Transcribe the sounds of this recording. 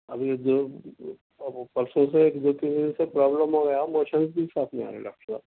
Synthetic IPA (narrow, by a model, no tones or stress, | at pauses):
ɐ̰bʱid̪o | pɐlsõseeːkd̪oːt̪ĩnd̪inseːk̚pɾaːbləmɦoːɡjamoːʃənzbiɪsaːpʰmẽa̰ːɾḛḛ̃ɖa̰ːk̚ʈəɾsa̰ːb